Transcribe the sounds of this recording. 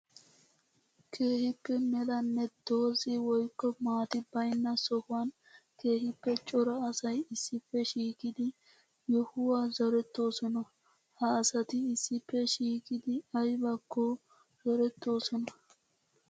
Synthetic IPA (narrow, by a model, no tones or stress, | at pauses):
kʰe̞ːhɪpːɛmɛlɐnːɛd̪̥o̞ːzɪwɔjkːɔmaːt̪ɪbɐjnːɐsɔhʊwɐn | ke̞ːhɪpːɛt͡ʃʼɔɾɐɐsɐjɪsːɪpːɛʃiːkɪd̪ɪ | jɔhʊwaːzɔɾɛt̪ːo̞ːsɔnɐ | hɐːsɐt̪ɪːsːɪpːɛʃiːkɪd̪ɪɐjbɐkːɔ | zɔɾɛt̪ːo̞ːsɔnɐ